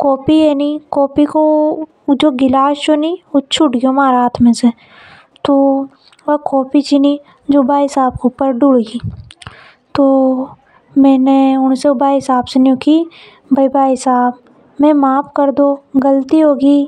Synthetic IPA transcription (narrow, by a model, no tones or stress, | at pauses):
kɔːpienikɔːpiko | d͡ʒoːɡɪlaːʃt͡ʃoniʊt͡ʃʰʊʈɡjomaːɾaːt̪ʰmẽse | t̪o | ʋɐkɔːpit͡ʃini | d͡ʒoːbaːɦɪsaːb̚keʊpːəɾɖuɽɡiː | t̪oː | mɛ̃ːneʊnseʊbaːɦɪsaːbsenoki | bʱəibaːɦɪsaːb̚ | mẽmaːpʰkəɾd̪oːɡəlt̪iɦoːɡiː